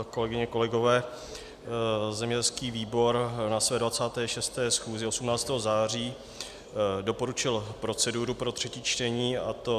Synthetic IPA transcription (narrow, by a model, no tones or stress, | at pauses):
ko̞lɛɡɪɲɛko̞lɛɡo̞vɛː | zɛmɲɛɟɛlskiːviːbo̞ɾnasvɛːdvat͡saːt̪ɛːʃɛst̪ɛːsxuːzɪo̞sumnaːt͡st̪ɛːɦozaːr̝iː | do̞po̞ɾut͡ʃɪlpɾo̞t͡sɛduːɾupɾo̞t̪r̝̥ɛciːt͡ʃt̪ɛɲiːat̪o̞